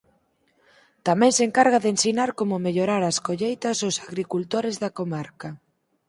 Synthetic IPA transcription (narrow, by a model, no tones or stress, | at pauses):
t̪amɛ̃ŋseŋkaɾɣaðensinaɾkomʊmeʎoɾaɾaskoʎejt̪ɐsʊsaɣɾikult̪oɾɪzðakomaɾka